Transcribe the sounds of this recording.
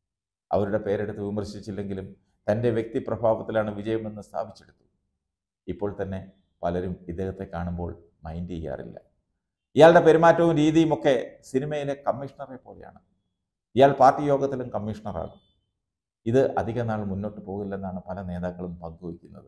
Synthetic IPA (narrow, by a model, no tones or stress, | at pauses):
ɐ̰ʋɐɾuɽe̞pe̞ːɾeɽut̪ːɨʋimɐrɕit͡ɕːilːe̞ŋɡilum | t̪ɐnde̞ʋjek̚t̪iprɐbʱaːʋɐt̪ːilaːɳɨʋid͡ʑɐjɐmenːɨst̪ʰa̰ːbʱit͡ɕːeɽut̪ːu̥ | ipːo̞ːɭt̪ɐnːe̞ | pɐlɐɾumid̪eɣɐt̪ːe̞kːaːɳumbo̞ːɭ | mɐjndiijːa̰ːrḭlːɐ̰ | ijaːɭɽe̞pe̞ɾimaːtːɐʋumɾiːðijumo̞kːe̞sinimɐjile̞kɐmːiʂɐɳɐrepːo̞ːleja̰ːɳɨ | ijaːɭpaːrʈːijo̞ːɡɐt̪ːilumkɐmːiʂɐɳɐra̰ːɳu | iðɨʔɐ̰d̪ʱiɣɐnːaːɭmunːo̞ːʈːɨpo̞ːɣilːenːaːɳɨpɐlɐne̞ːðaːkːɐɭumpɐŋɡuʋikʲːunːɐðɨ